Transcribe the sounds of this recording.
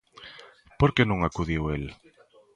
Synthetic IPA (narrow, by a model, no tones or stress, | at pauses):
poɾkenõŋakuðiwel